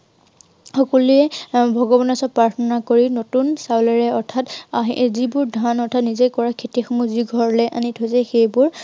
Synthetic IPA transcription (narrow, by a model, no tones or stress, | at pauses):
xɔkɔlujɛbʱɔɡɔbɔnɔsɔpɹaɹtʰɔnakoɹinotunsawlaɹɛɔɹtʰataɦzibʊɹdʱanɔɹtʰatnizejkɔɹakʰetixɔmuziɡʱɔɹlɛʔa̰nitʰosɛxejbʊɹ